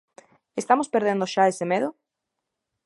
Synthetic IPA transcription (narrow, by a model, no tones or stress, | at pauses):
est̪amospeɾðend̪oʃaesemeðo